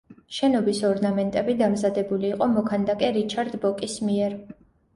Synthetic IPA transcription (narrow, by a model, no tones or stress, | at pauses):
ʃɛnɔbisɔɾnamɛnt̪ʼɛbid̪amzad̪ɛbuliːqʼɔmɔkʰand̪akʼɛɾit͡ʃʰaɾd̪bɔkʼismiɛɾ